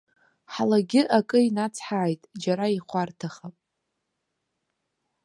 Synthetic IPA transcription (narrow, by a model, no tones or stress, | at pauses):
ħalaɡʲɪʔakʼɨinat͡sʰħaːjtʼd͡ʒaɾaiχʷartʰaχapʼ